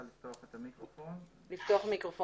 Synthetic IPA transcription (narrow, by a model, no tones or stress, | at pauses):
alift̪oaχet̪amikʁofon | lift̪oaχmikʁofo